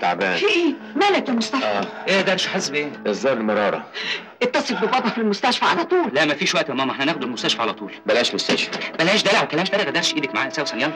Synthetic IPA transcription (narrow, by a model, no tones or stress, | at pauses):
t̪a̰ʕbæ̰ːnfiʔiː | mælækæmost̪ææːʔed̪ɑɾˤʃħesbʔeːʔezˤd̪ɑːɾˤelmɑɾˤɑːɾˤɑ̰ | ʔet̪ːɑsˤefbebɑd̪ˤɑfilmʊst̪æʃfæʕalæt̪ˤuːllæʔmæfiːʃwæʔt̪æmɑmʔeħnænæxd̪elmʊst̪æʃfæʕalæt̪ˤuːlbælæːʃmost̪æʃfæbælæːʃd̪ælʕwkælæʃd̪ælɣæd̪æɾʃʔiːd̪ækmaʕaːʔæsæːwsænjæːn